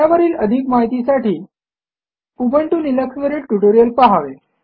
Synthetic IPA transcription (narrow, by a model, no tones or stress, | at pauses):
aʋəɾiːləd̪ʱiːkmaɦit̪isaʈʰiː | pubəɳʈuːniləksʋəɾiːʈuʈoɾijəlpaɦaʋe